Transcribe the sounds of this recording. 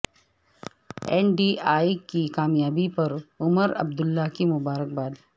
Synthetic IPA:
ɛ̰ːnɖiːaːikikaːmjaːbipɐɾʊməɾɐ̰b̚d̪ʊlːakimʊbaːɾək̚baːd̪

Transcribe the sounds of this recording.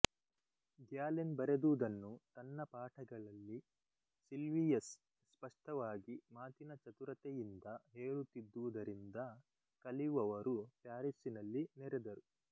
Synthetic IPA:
ɡjaːlenbɐɾed̪uʋud̪ɐnːut̪ɐnːɐpaːʈʰɐɡɐɭɐlːi | silʋijɐsː | pɐʂʈɐʋaːɡimaːt̪inɐt͡ʃɐt̪uɾɐt̪ejind̪ɐɦeːɭut̪ːid̪ːuʋud̪ɐɾind̪ɐ | kɐliʋɐʋɐɾupjaːɾisinɐlːinɛɾɛd̪ɐɾu

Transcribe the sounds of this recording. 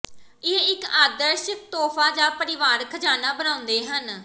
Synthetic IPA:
ɪɦẽɪkaːd̪əɾʃək̚t̪oːpʰaːd͡ʒaːpəɾɪʋaːɾkʰəd͡ʒaːnaːbənãːʊ̃nd̪eːɦən

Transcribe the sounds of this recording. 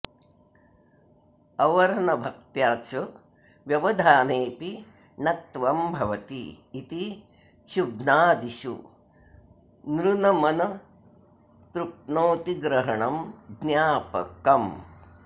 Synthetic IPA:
ɐʋɐɾnɐbʱɐk̚t̪jaːt͡ʃɐ | ʋjɐʋɐd̪ʱaːneːpi | nɐt̪ʋɐmbʱɐʋɐt̪iː | t̪i | ʃubnaːd̪iʃṵ | nɾunɐmɐnɐ | t̪ɾup̚noːt̪iɡɾɐɦɐɳɐmɡnjaːpɐ̰kɐm

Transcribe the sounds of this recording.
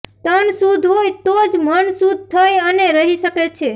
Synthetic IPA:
t̪ənsud̪ʱɦojt̪od͡ʒmənsud̪ʱt̪ʰəjəneɾəɦiʃəket͡ʃʰe

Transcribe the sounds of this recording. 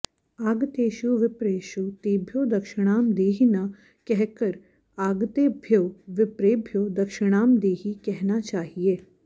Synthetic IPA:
aːɡt̪eːʃuʋɪpɾeːʃut̪eːbʱjod̪ɐkʃɪɽ̃aːmd̪eːɦina | kɛɦkəɾ | aːɡt̪eːbʱjoːʋɪpɾeːbʱjoːd̪ɐkʃɪɽ̃aːmd̪eːɦikɛɦnat͡ʃaːɦieː

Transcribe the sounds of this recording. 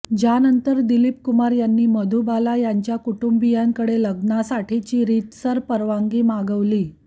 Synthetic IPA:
d͡ʑjanənt̪əɾd̪ilip̚kumaɾjanːiːməd̪ʱubalajaɲt͡ɕjakuʈumbijaŋkəɽeləɡnasaʈʰit͡ɕiːɾit̪səɾpəɾʋaŋɡiːmaɡəʋliː

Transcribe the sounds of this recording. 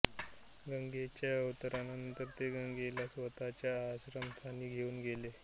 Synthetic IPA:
ɡəŋɡet͡ɕjaəʋt̪əɾanənənt̪əɾt̪eɡəŋɡelasʋət̪at͡ɕjaaɕɾəmt̪ʰaniːɡʱeuːnɡʱele

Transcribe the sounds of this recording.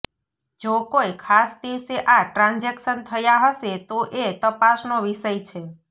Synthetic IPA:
d͡ʒokojkʰasd̪iʋseʔaʈɾãnd͡ʒekʃənt̪ʰəjaɦəʃet̪oʔet̪əpasnoʋiʃəjt͡ʃʰe

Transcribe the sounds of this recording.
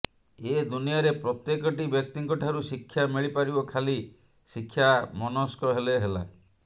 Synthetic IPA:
ed̪unijaɾepɾɔt̪jekɔʈibjɔk̚t̪iŋkɔʈʰaɾusikʰːjamiɭipaɾibɔkʰali | sikʰːjamɔnɔskɔɦeleɦela̰

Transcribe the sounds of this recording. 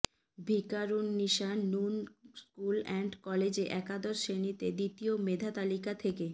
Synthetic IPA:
bʱikaɾunːiʃanːunskulɛɳɖkɔled͡ʑeʔɛkad̪ɔɾʃenit̪ed̪it̪iomed̪ʱat̪alikat̪ʰeke

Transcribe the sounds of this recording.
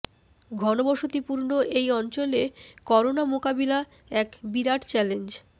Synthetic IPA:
ɡʱɔnobɔʃot̪ipuɾnoʔejɔnt͡ɕolekɔɾonamokabila | ɛkbiɾaʈt͡ɕɛlend͡ʑ

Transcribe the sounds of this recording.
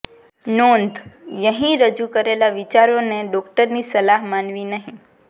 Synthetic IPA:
nond̪ʱjəɦĩɾəd͡ʒukəɾelaʋɪt͡ʃaɾoneɖɔkʈəɾnisəlaɦmanʋinəɦĩ

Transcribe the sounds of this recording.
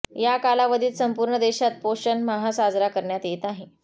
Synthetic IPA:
jakalaʋəd̪ʱiːt̪səmpuːɾɳəd̪eɕat̪̚poɕənməɦasad͡zɾakəɾɳjat̪jet̪aɦe

